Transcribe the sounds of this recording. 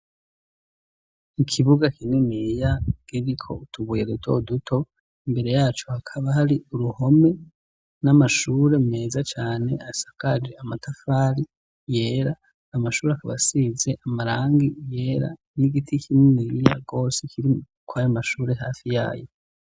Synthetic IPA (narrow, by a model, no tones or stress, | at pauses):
ikʰiβuɡakʰininijaɡ̥iɾikʰo̞̰utʰuβujeɡutʰo̞̰dutʰo̞ | imbe̞ɾe̞jaːt͡ʃoakʰaβahaɾiuɾuho̞me̞ | namaʃuːɾe̞muŋe̞ːzat͡ʃaːne̞asḁkad͡ʒe̞amatʰafaːɾi | je̞ːɾaː | maʃuːɾeakaβasize̞ʔamaɾaːŋɡije̞ːɾa̰niɡitʰikimniija̰ɡo̞ːsekʰiɾi | kwajamaʃuːɾe̞ɦaːfija̰ːjo̰